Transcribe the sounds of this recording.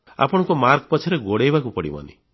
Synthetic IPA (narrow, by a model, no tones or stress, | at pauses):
a̰pɔɽ̃ɔ̃ŋkumaɾkpɔt͡ʃʰiɾeɡoɽejbakupɔɽḭmɔ̰nḭ